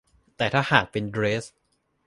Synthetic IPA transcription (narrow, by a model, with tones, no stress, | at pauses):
t̪ɛː˨˩t̪ʰaː˥˩haː˨˩k̚pe˧ndɾeː˦˥s